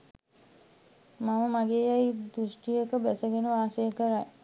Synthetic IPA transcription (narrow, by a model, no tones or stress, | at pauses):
maməmaɡeːjajd̪ɾusʈijəkəbæsəɡenəʋaːsejəkəɾaj